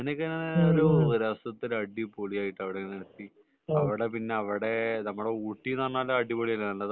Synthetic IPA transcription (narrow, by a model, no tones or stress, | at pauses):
enɐkʲːɨnanoɾuɾɐsɐt̪ːilɐɖːipoɭijaːjiʈːɐʋiɽenɐɾɐt̪ːi | ɐʋiɽe̞p̬inːe̞ɐʋiɽenɐmːuɽe̞uːʈːinɐrnːaːloɐɖipoɭijɐlːɐnɐlːɐð